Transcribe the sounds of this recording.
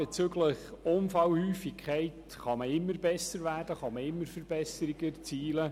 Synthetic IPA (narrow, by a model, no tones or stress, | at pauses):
b̥et͡søɡləχʊnfɑwhyːfikʰχæɪt | χɑməɪmːəɾbɛsəɾvʋæːrdəχɑməɪmːəɾfəɾbɛsəɾiɡəɾt͡siːlə